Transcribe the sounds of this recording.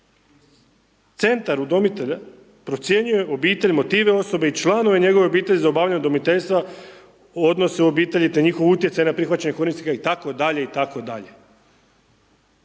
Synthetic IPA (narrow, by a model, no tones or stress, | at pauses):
t̪se̞nt̪aɾud̪o̞mit̪eʎa | pɾo̞t̪sje̞ɲuje̞ʔo̞biːt̪e̞ʎʲmo̞t̪iːʋe̞o̞so̞beit͡ʃlˠanoʋe̞ɲe̞ɡo̞ʋeobiːt̪e̞ʎizaobaːvʎʲaɲud̪o̞mit̪eʎʲst̪ʋa | o̞d̪no̞seobiːt̪e̞ʎit̪eɲiːxo̞ʋut̪jesajenapɾixʋat͡ɕeɲekoɾnisikait̪ako̞d̪aʎe̞it̪akod̪aʎe